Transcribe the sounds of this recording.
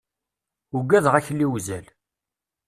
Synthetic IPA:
uɡːæðʁæçlːiwzæl

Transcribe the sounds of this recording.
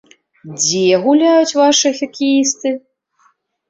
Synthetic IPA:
d͡zʲɛɣulʲajut͡sʲvaʂɨɐxʲɐkʲijist̪ɨ

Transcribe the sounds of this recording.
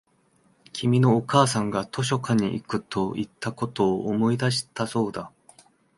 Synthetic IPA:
kʲʰimʲino̞ːkaːsãŋɡat̪ʰo̞ɕ̬o̞kaɲ̟ḭʔḭkɯ̟t̪ʰo̞it̪ʰːako̞t̪o̞ːʔːmo̞id̪aɕi̥t̪aso̞ːd̪a

